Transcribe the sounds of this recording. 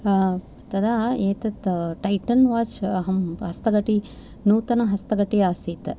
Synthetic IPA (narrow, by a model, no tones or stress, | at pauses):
t̪ɐd̪aːeːt̪ɐt̪ʈɐjʈɐnʋaːt͡ʃɦɐmɦɐst̪ɐɡɐʈi | nuːt̪ɐnɐɦɐst̪ɐɡɐʈiaːsiːt̪ɐ